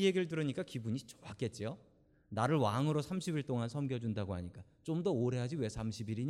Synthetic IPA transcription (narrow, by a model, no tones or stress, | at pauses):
ijeɡiɾɯɭt̬ɯɾɯɲik͈akibuɲit͡ɕʌ̥wak͈e̞t̚t͡ɕ͈ijo | naɾɯɭwaŋɯɾosʰamɕʰibiɭt͈oŋansʰʌmɡjʌd͡ʑundaɡoɦaɲik͈a | t͡ɕomdʌoɾe̞ɦad͡ʑiwe̞sʰamɕʰibiɾiɲ